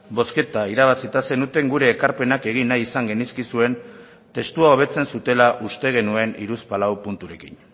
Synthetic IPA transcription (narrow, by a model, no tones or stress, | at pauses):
bo̞ske̞t̪aiɾaβ̞asit̪ase̞nut̪e̞ŋɡuɾe̞ːkaɾpe̞nake̞ɣ̞inːajisaŋɡe̞niskisue̞n | t̪e̞st̪uao̞βe̞t͡se̞nsut̪e̞laʔust̪e̞ɣ̞e̞nue̞nḭɾuspalawpunt̪uɾe̞kin